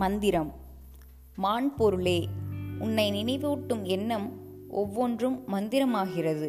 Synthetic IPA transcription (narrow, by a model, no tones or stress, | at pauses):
mɐnd̪ɪɾɐmː | aːɳpɔɾɯɭeːʊnːɐɪnɪnɐɪʋuːʈːɯmɛnːɐm | ʔɔʋːondrɯmːɐnd̪ɪɾɐmaːɣɪrɐðɯ